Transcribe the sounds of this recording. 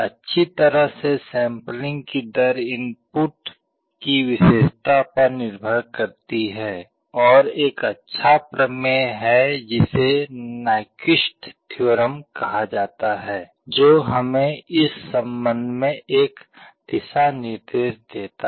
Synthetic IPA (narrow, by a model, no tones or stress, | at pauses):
ɐtːʃʰit̪əɾəɦsesɛ̃ːmplɪ̃ŋɡkid̪əɾɪ̃npuʈ | kiʋɪʃeːʃt̪ʰapəɾnɪɾbʱəɾkəɾt̪iɦɛː | ɔːɾeːkətːʃʰapɾəmeɦɛd͡ʒɪsenaːɪkɪʃʈt̪ʰjoːɾəmkɐɦad͡ʒaːt̪aɦɛː | d͡ʒoːɦɐmẽɪsːə̃mbə̃nd̪ʱmẽeːkd̪̥ɪsanɪɾd̪eːʃd̪eːt̪a